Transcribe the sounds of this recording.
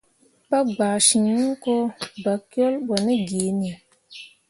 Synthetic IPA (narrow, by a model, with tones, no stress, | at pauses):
ba˦ɡ͡baː˨ʃi˨ɲi˦ŋ˦ko˦ba˨kjo˦lbɔ˨ni˦ɡeː˨ni˨a˨